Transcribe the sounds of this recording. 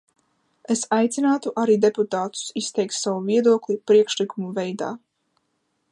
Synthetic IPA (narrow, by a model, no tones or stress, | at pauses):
esajt̪sinaːt̪uʔaɾiːd̪e̞put̪aːt̪u̥sist̪ɛjk̚t̪savuviɛd̪uɔklʲipɾiɛkʃlikumuvɛjd̪a̰ː